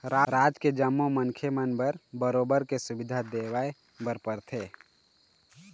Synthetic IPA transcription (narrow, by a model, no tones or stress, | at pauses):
ɾaɾaːd͡ʒked͡ʒəmːomənkʰemənbəɾbəɾoːbəɾkesʊbɪd̪ʱad̪eːwaːe | bəɾpəɾt̪ʰeː